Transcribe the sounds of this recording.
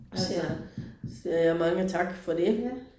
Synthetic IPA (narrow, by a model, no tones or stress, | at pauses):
s | siɐjamɑ̈ŋət͡sʰɑ̈ɡ̥fɒ̽d̥e